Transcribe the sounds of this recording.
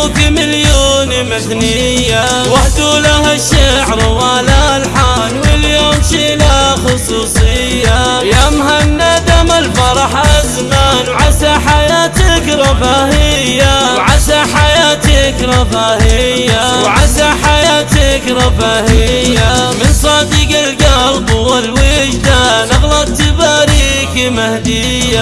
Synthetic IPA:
ɡɪmɪljoːnimɪθnɪ | jːa | waħd̪ulahaʃaʕɾwalalħanwɪljoːmʃilaxʊsˤuːsˤɨjːajamɦanːad̪amalfɑɾˤɑħaʔazmaːnwʕasaħajaːt̪ɪkɾˤɑbaːhɪjːawʕasaħajaːt̪ɪkɾˤɑfahɪjːawʕasaħajaːt̪ɪkɾˤɑfahɪjːamɪnsˤɑːd̪iɡɪlɡɑlbʊalwɪʃd̪anɑɣlɑt̪ːɪbaɾi | kɪmahd̪ɪ | jːa

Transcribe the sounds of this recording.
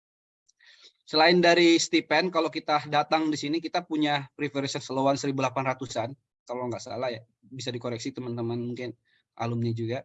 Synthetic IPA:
səlaɪndaɾist̪ipɛnkalowkit̪adat̪aŋdisinikit̪apuɲapɾifəɾsansəlowansəɾibulapanrat̪usan | kaloŋɡaʔsa̰laja | bisadikoɾɛksit̪əmant̪əmanmuŋkɪn | ʔa̰lumnid͡ʒuɡa

